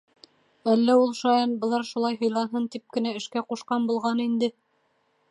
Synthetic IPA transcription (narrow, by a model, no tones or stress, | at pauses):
ælːæulˠʃɑjɑnbɤ̆lˠɑɾʃulˠɑjɦɤ̆jlˠɑnɦɤnt̪ip̚kɘ̆næɘ̆ʃkæquʃqɑnbulˠʁɑnind̪ɘ